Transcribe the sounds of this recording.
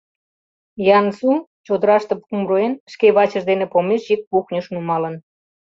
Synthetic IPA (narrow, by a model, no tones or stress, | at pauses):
jɑnsut͡ɕod̪əɾɑʃt̪ɤ̆pumroenʃkeβɑt͡ɕə̆ʒd̪enĕpomeʃjik̚puxnʲəʃnumɑlə̆n